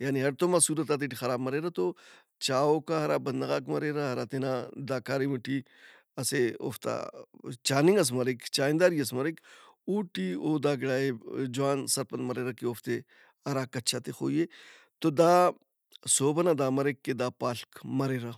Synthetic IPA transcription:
jaːniɦɐɾt̪omɐsuːɾɐt̪aːt̪̬eʈixɐɾaːbmɐɾeɾat̪o | t͡ʃaːoːkaɦɐɾabɐnd̪ɐɣaːkmɐɾeːɾaɦɐɾat̪enad̪aːkaːɾemuʈi | ɐseo̰ːft̪a̰t͡ʃaːnĩŋɡɐs̬mɐɾekt͡ʃaːind̪aːɾiɐs̬mɐɾekuːʈioːd̪aːɡɪɽaːed͡ʒʊwaːnsɐɾpɐnmɐɾeːɾakeoːft̪e | ɐɾakɐt͡ʃʰat̪exo̰ːje | t̪od̪aː | soːbɐnad̪aːmɐɾekːed̪aːpaːɬkmɐɾeːɾa

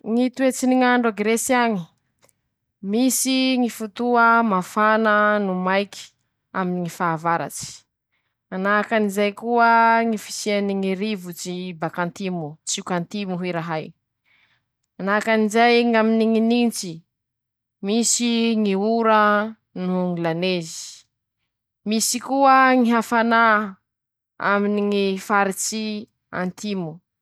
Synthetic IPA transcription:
ŋit̪uet͡siniŋaɳɖ͡ʐaɡɾesiaŋi | misiŋifut̪uəmafanənumajki̥ | aminiŋifaːvaɾa̰t͡ʃi̥ | anakanizajkuəŋifi̥sianiŋiɾivut͡ʃibakant̪imut͡sukant̪imuɦiɾaɦaj | anakanizajŋaminiŋinint͡si | misiŋiuɾə | nuŋilanezi̥ | misikuəŋiɦafana | a̰miniŋifaɾit͡si | a̰nt̪imu

